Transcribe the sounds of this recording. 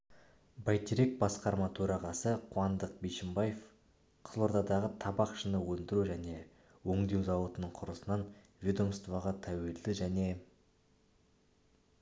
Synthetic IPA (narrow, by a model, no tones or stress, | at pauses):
bɑjt̪ʰiɾek̚bɑsqɑɾmɑt̪ʰɵɾɑʁɑsəqʰuɑnd̪əq̚bejʃɪmbɑjef | qʰə̥zˠo̞ɾd̪ɑd̪ɑʁət̪ʰɑbɑqʃənəwɵnd̪ɪɾuʒæne̞ | wɵŋd̪e̞wzɑwot̪ənəɴqʰʊɾəsənɑn | vʲid̪o̞mst̪vɑʁɑt̪ʰæwe̞ld̪ɪʒæne̞